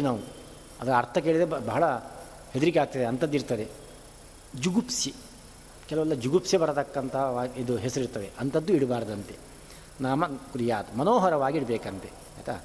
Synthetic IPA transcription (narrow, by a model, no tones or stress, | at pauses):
naːʋu | ɐd̪ɐɾɐɐɾt̪ʰɐkeːɭid̪ebɐɦɐɭɐ | hed̪iɾiɡeaːɡ̚t̪ɐd̪eɐnt̪ɐd̪ːiɾt̪ɐd̪e̞ | d͡ʒuɡupsi | kɛlɐʋɐlːɐd͡ʒuɡupsjibɐɽɐt̪ɐkːɐnt̪ʰɐɦɐːid̪uɦesɐɾiɾt̪ɐʋeʔɐnt̪ɐd̪ːuiɽbaːɾɐd̪ɐnt̪e | naːmɐkuɾijaːt̪ɐmɐnoːɦɐɾɐʋaːɡiiɽbeːkɐnt̪e | ɛ̰ːt̪ɐ